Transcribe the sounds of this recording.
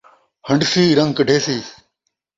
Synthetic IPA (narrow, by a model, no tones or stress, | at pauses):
həɳɖsiːɾəŋɡ̚kəɖʱeːsiː